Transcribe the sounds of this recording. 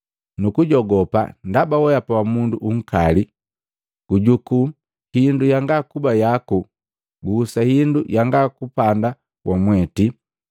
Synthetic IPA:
nukuɟɔɡɔpa̰ndabawɔjapawamunduʔuŋ̩kali | ɡ̥uɟuku | hindujaŋɡakubajaku | ɡuːsahindujaŋɡakupanda | wʔamwɛti

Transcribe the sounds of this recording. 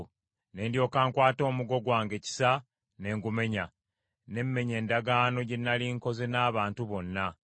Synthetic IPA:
ne̞ːndjo̞ːkaːŋkwaːto̞ːmuɡo̞ɡwaːŋɡe̞ːci̥sa | ne̞ːŋɡume̞ɲa | ne̞mːe̞ɲe̞ːndaɡaːno̞ɟenːaliŋko̞ze̞naːβaːntuβo̞nːa

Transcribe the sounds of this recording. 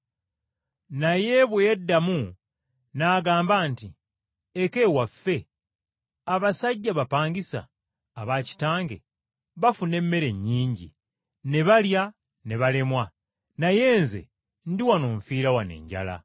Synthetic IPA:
naje̞βwedːamu | naːɡaːmbaːnti | eke̞wafːe̞ | aβasaɟːaβapaːɲɡisa̰ː | βaci̥taːŋɡe̞̰ | βafune̞mːe̞ɾe̞ɲːiːɲɟḭ | ne̞βalja | ne̞βale̞mwa | naje̞ːnze̞̰ | ndiwanoːɱfiːɾawane̞̰ːɲɟa̰la̰

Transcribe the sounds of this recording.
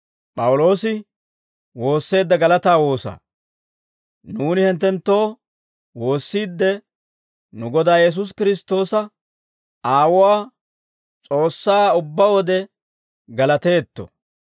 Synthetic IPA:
pʼɐwʊlo̞ːsɪ | wo̞ːsːe̞ːd̪ːɐɡɐlɐt̪aːwo̞ːsɐ̰ | nuːnɪhɪnt̪ːɛnt̪ːo̞ː | wo̞ːsːiːd̪ːɛ | nʊɡɔd̪aːjɛs̬ʊs̬kɪɾɪst̪ːo̞ːsɐ | aːwʊwaː | t͡sʼo̞ːsːaːʊbːawɔd̪ɛ | ɡɐlɐt̪e̞ːt̪ːɔ̰

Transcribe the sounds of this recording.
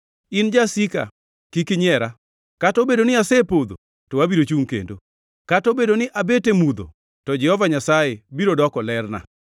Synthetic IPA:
ɪnd͡ʒasika̰ | kikɪɲɛɾa | katobedonɪasepod̪o̰ | tɔwabiɾot͡ʃuŋkḛndo̰ | katobedonɪʔabetemud̪o̰ | tɔd͡ʒɛhɔvaɲasajebiɾodɔkɔlɛrna̰

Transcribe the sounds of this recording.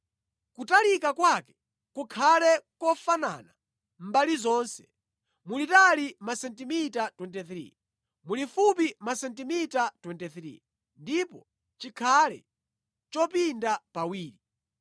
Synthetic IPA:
kutalikakwakɛ̥ | kukʰalɛkɔfana̰na | m̩balizɔːnsɛ̥ | mulitalimasɛntimitatwɛntɛθɾḭ | mulifup̬imasɛntimitatwɛntɛθɾḭ | ndipɔ | t͡ʃikʰalɛ̰ | t͡ʃɔpindapawiːɾi

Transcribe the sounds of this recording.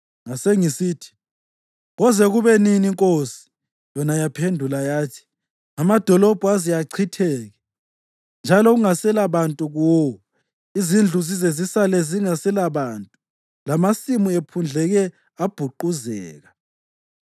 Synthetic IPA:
ŋaseŋisiːtʰi̥ | ɣɔzɛɣuβɛniniŋkʼosi̥ | jɔnajapʰendʱulajaːtʰi̥ | amad̥ʱɔlɔb̥ʱuazijaǀʰitʰɛːɣɛ | nd͡ʒʱalɔɣuŋasɛlaβantʼuɣɔɔ | izind͡ɮʱuzizezisalɛziŋasɛlaβaːntʼu | lamasimuepʰund͡ɮʱɛɣɛ | ab̥ʱuǃuzɛ̰ːɣa

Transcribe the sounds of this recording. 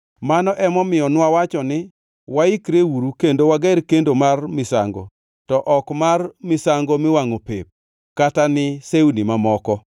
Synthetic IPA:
manɔʔɛmɔmɪjɔnwawat͡ʃɔnɪ | waikɾewuɾukendowaɡɛɾkendomarmɪsa̰ŋɡo̰ | tɔʔɔkmarmɪsaŋɡomɪwaŋopep̚ | katanɪsewnimamɔkɔ

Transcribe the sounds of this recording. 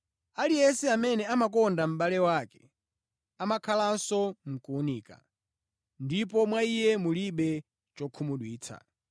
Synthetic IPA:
alijɛsɛamɛnɛamak̬ɔndam̩ɓalɛwaːkɛ | amakʰalansɔm̩kuuniːka̰ | ndip̬ɔmwaijɛmuliɓɛ | t͡ʃɔkʰumuɗwiːt͡sʰa̰

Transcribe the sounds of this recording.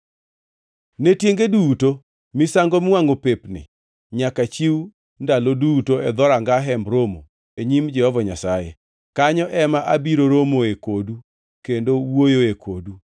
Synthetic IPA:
netjeŋɡeduto | mɪsaŋɡomwaŋopepnɪ̰ | ɲakat͡ʃiw | ndalodutoɛd̪ɔɾaŋɡaɦɛmɾomo̰ | eɲimd͡ʒɛhɔvɔɲasajḛ | kaɲɔʔɛmaʔabiɾoɾomoekodu | kendowojoekʰodu

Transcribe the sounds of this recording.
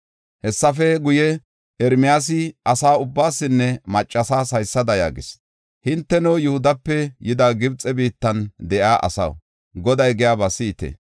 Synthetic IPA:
hɛsːɐfɛɡʊjɛ | ɛɾmɪjaːs̬ɪʔɐsaːʊbːaːsːɪnːɛmɐt͡ʃʼːɐsaːsɐjsːɐd̪ɐja̰ːɡɪs | hɪnt̪ːɛnɔwjʊhʊd̪ɐpːɛjɪd̪aɡɪbt͡sʼːɛbiːt̪ːɐnd̪ɛʔaːʔɐ̰sɐ̰w | ɡɔd̪ɐjɡɪjaːbɐsiːt̪ɛ̰

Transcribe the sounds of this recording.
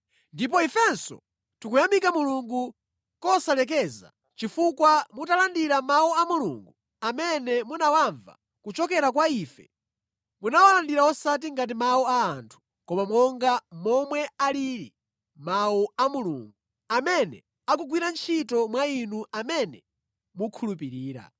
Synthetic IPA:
ndip̬ɔifɛnsɔ̰ | tukujamikamuluŋɡu | kɔsalɛk̬ɛza̰ | t͡ʃifukwamutalandiɾamawuamulṵŋɡu | amɛnɛmunawaɱva̰ | kut͡ʃɔkɛɾakwaiːfɛ | munawalandiɾawɔsat̬iŋɡat̬imaɔaːntʰu̥ | kɔmamɔŋɡamɔmwɛaliɾḭ | mawuamulṵːŋɡu | amɛnɛ̰ | akuɡwiɾant͡ʃʰitɔmwainuamɛnɛ | mukʰulupiɾiːɾa̰

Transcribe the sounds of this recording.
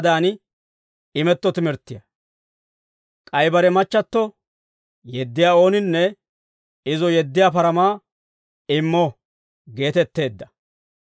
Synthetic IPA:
d̪aːn | ɪmɛt̪ːɔt̪ɪmɪɾt̪ːɪjɐ | kʼɐjbɐɾɛmɐt͡ʃːɐt̪ːɔ | jɛd̪ːɪjaːo̞ːnɪnːɛ | ɪzɔjɛd̪ːɪjaːpɐɾɐmaː | ɪmːɔ | ɡe̞ːt̪ɛt̪ːe̞ːd̪ːɐ̥

